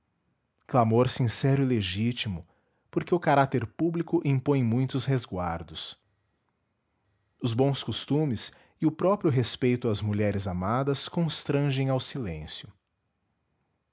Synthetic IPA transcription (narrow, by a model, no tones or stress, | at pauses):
klamoɾsĩsɛɾʊɪleʒit͡ʃimʊ | poɾkeʊkaɾat̪eɾpublikʊʔĩpõj̃mũj̃t̪ʊsɦezɡwaɾd̪ʊs | ʊzbõw̃skost̪ũmɪs | ɪʊpɾɔpɾjʊɦespejt̪ʊɐzmuʎɛɾɪzamad̪ɐskõst̪ɾɐ̃ʒẽj̃awsilḛ̃sjʊ